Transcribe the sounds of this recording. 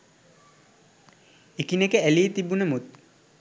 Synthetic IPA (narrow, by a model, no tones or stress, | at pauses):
ekinekəæliːt̪ibunəmut̪̚